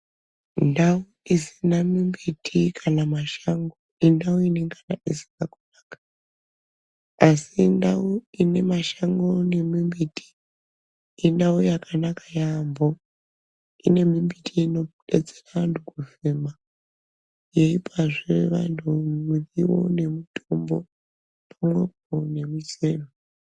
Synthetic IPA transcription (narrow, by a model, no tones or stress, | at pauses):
ndauisinamimbitʰikʰanamaʃaŋɡoindauineŋkʰanaʔisi̥nakunaːkḁ | asindauine̞maʃaŋɡone̞mimbitʼi̥ | indaujakʰanakajambo̞ | ine̞mimbitʰiino̞ɗed͡zeraʋantʰukufema | je̞ipaʐeʋantʰumuriwo̞̰ne̞mutʰʼombo̞ | pamwe̞p̚one̞mut͡ʃeːno